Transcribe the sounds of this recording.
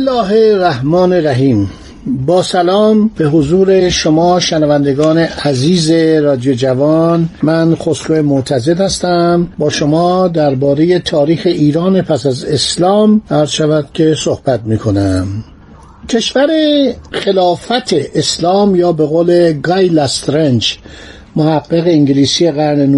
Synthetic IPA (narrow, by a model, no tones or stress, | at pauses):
slːɒːɦeræhmɒːneɾæɦiːm | bɒːsælɒːmbe̞ɦozuːɾe̞ʃo̞mɒːʃenævænd̪e̞ɡɒːne̞ʔæziːze̞ɾɒːd̪ijod͡ʒævɒnmænχosɾoemot̪ʰæze̞d̪hæst̪æmbɒːʃo̞mɒːd̪æɾbɒːɾe̞je̞t̪ʰɒːɾiːxe̞ʔiːɾɒːnepʰæsæze̞slɒːmæɾz̥ʃævæd̪̥cʲʰe̞so̞hb̥æt̪̚miːkʰo̞næm | cʲʰe̞ʃvæɾe̞χe̞lɒːfæt̪ʰeʔːslɒːmjɒːbe̞ɣoːle̞ɡɑjlæst̪ɾend͡ʒ | mohæɡːeɣe̞iŋɟliːsijeɣæɾnenu